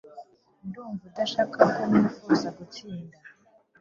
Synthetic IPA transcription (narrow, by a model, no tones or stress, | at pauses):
nduːɱvudaʃaːkʰahanauuusaɡut͡siːnda